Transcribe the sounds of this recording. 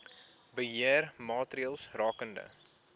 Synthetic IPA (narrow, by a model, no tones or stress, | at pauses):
bəɦiərmɑːtriəlˠsrɑːkəndə̰